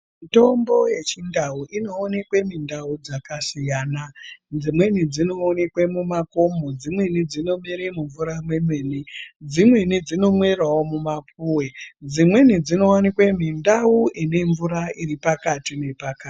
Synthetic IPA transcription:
mito̞mbo̞je̞t͡ʃindauʔino̞ːne̞kwemindaud͡zakasijaːnad͡zimwe̞nid͡zino̞ːnekwemumako̞mo̞d͡zimwe̞nid͡zino̞miɾemuɱvuɾamwemweːnid͡zimwe̞nid͡zino̞mwe̞rwawo̞mumapuwed͡zimwe̞nid͡zino̞wanikwemindauine̞ɱvuɾairipakatine̞paka

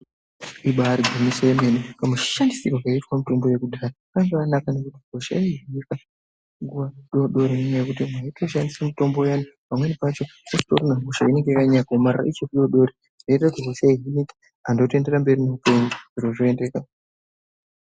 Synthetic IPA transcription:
iɓaːɾiɡʱumisaemenekamuʃandisikwakaitwamito̞mbo̞je̞kudʱaːrakaŋɡeanakane̞kutiɦo̞ʃa̰iɦinika | ŋɡuʋaɗoɗo̞ɾenimajekutimwaitoʃandisamito̞mbo̞janipamwe̞nipat͡ʃo̞ustorunaɦuʃaine̞ŋɡekaɲakaomarara̰ʔit͡ʃoriɗoɗo̞ɾi | dait̬akutiɦo̞ʃaiɦiniki̥ | ando̞te̞nde̞ɾambe̞ɾinoupeɲiʐ̥iroʐoendeːka

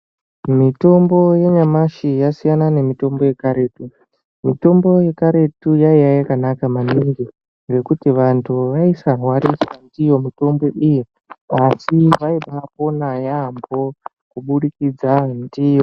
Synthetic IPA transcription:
mito̞mbo̞je̞ɲamaʃijasijanane̞mito̞mbo̞je̞kaɾe̞ːtu | mito̞mbo̞je̞kaɾe̞tujaijajakanakamaniŋɡi | ŋɡe̞kutiʋantʰuʋaisarwaɾiswandijo̞mito̞mbo̞ʔiji | asiʋaiɓapo̞najambo̞ | kuɓuɗikid͡zandijo̞

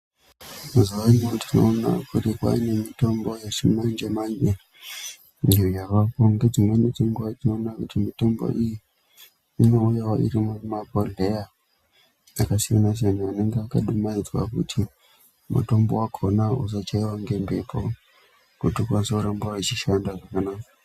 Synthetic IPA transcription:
muziwaniotino̰ːna̰kutikwa̰ine̞mito̞mbo̞jet͡ʃimand͡ʒemane | ejarakoŋɡed͡zimwenid͡ziŋɡwatino̞ːnakutimito̞mbo̰ʔiji | inoujawaḭɾimumabʱoɮeja | akasijanas̬aniane̞ŋɡeakaɗumaid͡zwa̰kṵtʰi | mṵto̞mbo̰wakʰonaus̬at͡ʃaiwaŋɡe̞mbepʰo | kutukwansoɾambaet͡ʃiʃandaʐakanaːkḁ

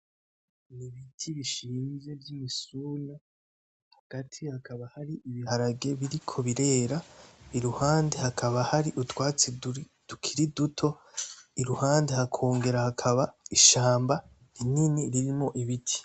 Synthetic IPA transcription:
niβitʰiβiʃiːnze̞vjimisuːna | haɡ̥atʰihakaβahaɾiiβihaɾaɡe̞βiɾikʰo̞βiɾe̞ːɾaiɾuhaːndehakʰaβahaɾiʔutwaːt͡si | d̥ukʰiɾidutʰo̞ | iɾuhaːndehakʰo̞ːŋɡe̞ɾahakʰaβaiʃaːmba | ininiɾiɾimŋo̞ʔiβitʰi̥

